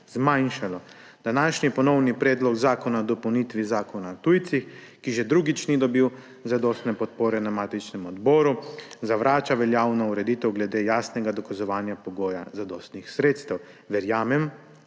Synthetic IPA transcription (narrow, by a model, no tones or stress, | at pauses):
zmajnʃalɔ | d̪anaːʃnipɔnɔwnipɾɛːd̪lɔkzaːkɔnaɔd̪ɔpɔwnit̪ʋizaːkɔnat̪ujt̪six | kiʒɛd̪ɾuːɡit͡ʃnid̪ɔbiw | zad̪ɔːst̪nɛpɔt̪̚poːɾɛnamaːt̪it͡ʃnɛmɔd̪bɔːɾuzaʋɾaːt͡ʃaʋɛljaːwnɔuɾɛd̪iːt̪ɛwɡlɛd̪eːjaːsnɛɡad̪ɔkazɔʋaːnjapɔɡoːja̰zad̪ɔːst̪nixsɾeːt̪st̪ɛw | ʋɛɾjaːmɛm